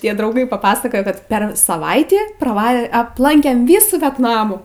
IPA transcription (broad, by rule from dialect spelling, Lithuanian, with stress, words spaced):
ˈtʲiɛ drɐʊˈɡɐɪ pɐpɐsɐˈkoːjoː kɐt pʲɛr sɐˈʋɐɪtʲiː prɐˈʋɐ ɐpˈlˠɐŋʲkʲeːm ˈʋʲiːsuː ʋʲɛtˈnɑːmuː